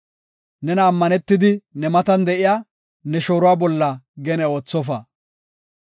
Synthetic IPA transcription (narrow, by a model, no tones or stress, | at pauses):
nɛnɐːmːɐnɛt̪ːɪd̪ɪnɛmɐt̪ɐnd̪ɛʔɪjaː | nɛʃo̞ːɾʊwaːbɔlːɐɡɛnɛo̞ːt͡sːɔfɐ